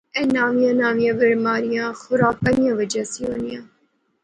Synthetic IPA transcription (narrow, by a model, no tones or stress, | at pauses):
ɛ̃ːnaːʋijãːnaːʋijãːbəɾmaːɾɪjãːxʊɾaːkːənɪjãːʋəd͡ʒaːsioːnijãː